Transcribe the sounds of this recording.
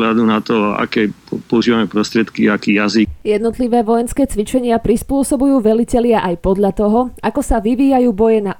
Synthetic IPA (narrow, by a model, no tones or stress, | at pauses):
lad̪unat̪ɔa̰kɛː | pɔuʒiːʋamɛpɾɔst̪ɾɪɛt̪kiakiːjazijɛd̪nɔt̪liʋɛːʋɔjɛnskɛːt͡sʋit͡ʃɛɲɪapɾispʊɔsɔbujuːʋɛlicɛlɪaʔajpɔd̪ʎat̪ɔɦɔakɔsaʋiʋiːjajuːbɔjɛna